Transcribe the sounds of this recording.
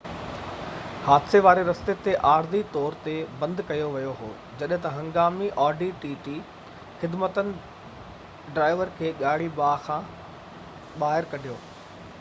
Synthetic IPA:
haːd̪seʋaːɾeɾɐst̪et̪eʔaːɾd̪it̪ɔːɾt̪ebɐ̃nd̪kɐjoʋɐjoɦo̰ː | d͡ʑɐɗɦɪ̃t̪ɐɦɐ̃ŋɡaːmiʔɔːɖiʈiːʈi | xɪd̪mət̪ənɪ̆ | ɖɾaːɪʋəɾkʰeːɠaːɽ̤ibaːxãː | ɓaːɦɪɾkɐɖʱijoː

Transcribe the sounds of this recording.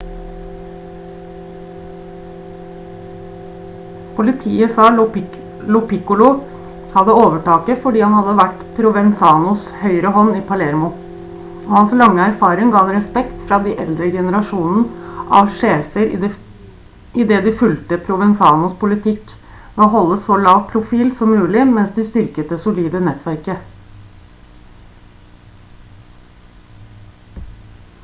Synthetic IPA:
pʰʊlɪt̪ʰḭːəsɑː | lʊpɪkʊlʊ | hɑd̪əoːʋəʈɑːkəfɔɖiːhɑnhɑd̪ːəʋæʈpʰɾʊʋɛnsɑːnʊshœʏɾəhɔnːiːpʰɑlɛɾmʊ | oːhɑnslɑŋːəæɾfɑːɾɪŋɡɑːɑnɾɛspɛkt̪fɾɑːd̪iːʔɛld̪ɾəɡɛnəɾɑʂuːnn̩ʔɑ̰ʋʂeːfəɾ | ɪd̪ɛːd̪ɪfʉlt̪əpʰɾʊʋɛnsɑːnʊspʊlɪt̪ʰɪk | moːɦɔlːəsɔlɑːʋpʰɾʊfiːlsɔmːʉːlɪmɛnsd̪ɪst̪ʏɾkət̪̚d̪ɛsʊliːd̪ənɛt̪ʰʋæɾkə

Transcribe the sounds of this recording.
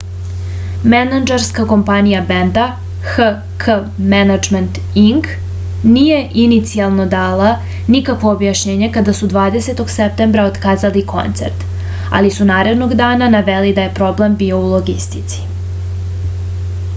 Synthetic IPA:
menad͡ʒaɾskako̞mpanijabend̪a | xə | kʰəmenad͡ʒment̪ | iŋk | niːje̞ʔinit̪sialˠno̞d̪aːla | nikakʋo̞ːbjaʃɲeːɲe̞kad̪asud̪ʋaːd̪ese̞t̪oɡsep̚t̪e̞mbɾaot̪kaːzalikʰo̞̰nt̪se̞̰ɾt̪ | a̰lisunaːɾe̞d̪no̞ɡd̪aːnanaʋelid̪aje̞pɾo̞ble̞mbio̞ulˠo̞ɡist̪it̪si̥

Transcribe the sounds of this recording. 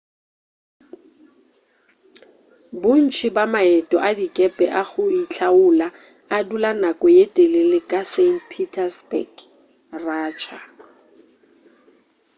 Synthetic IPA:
bʊn̩t͡ʃʰɪbamaɛtʼɔʔadikʼɛpʼɛʔaɣʊit͡ɬʰaʊla | adulanakʼɔjetʼelɪlɪkʼasenpʰitʰastʼɛk | raːt͡ʃʰa

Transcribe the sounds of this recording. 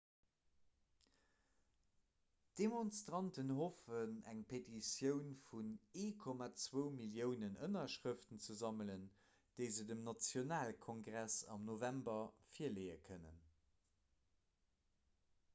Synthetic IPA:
d̥emonstʁɑntənɦofənæŋpʰetisjəʊnfuneːkʰɔmat͡svəʊmiljəʊnənənɐʃʁəftənt͡səzɑmələn | d̥əɪzədəmnɑt͡sjonaːlkʰoŋɡʁæsɑ̰mnovæmbɐfiːɐleɪəkʰənə̰n

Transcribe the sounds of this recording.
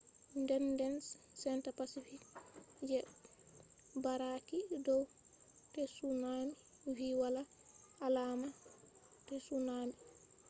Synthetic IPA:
ndɛndɛnssɛntapasifikd͡ʒɛ | baɾakidɔw | tɛsunamiwiwalaalama | tɛsunami

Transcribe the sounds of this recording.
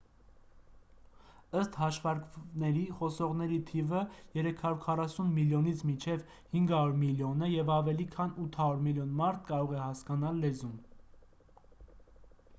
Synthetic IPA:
əst̪hɑʃvɑɾknɛɾiχɔsɔʁnɛɾit̪ʰivəjɛɾɛkʰɑɾuɾkʰɑrɑsunmiljɔnit͡sʰmit͡ʃʰɛv | hiŋɡhɑɾuɾmiljɔnɛjɛvɑvɛlikʰɑnut̪ʰhɑɾuɾmiljɔnmɑɾt̪ʰkɑɾɔʁɛhɑskɑnɑlːɛzun

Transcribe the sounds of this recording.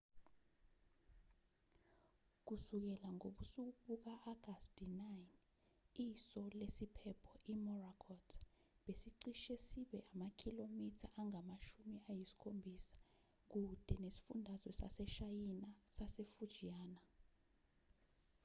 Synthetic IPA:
k̬usuk̬ɛlaŋoɓusuk̬uɓuk̬aʔaɡ̥astʼinajn | isɔlesipʰɛpʰɔʔimɔrakʰɔtʰ | ɓesiǀiʃɛsiɓɛʔamakʰilomitʰaʔaŋamaʃumiajisi̥kʰombʱisḁ | k̬ud̥ʱɛnesi̥fundʱazwɛsa̰sɛʃajinasasefud̥ʒ̥ʱijaːna

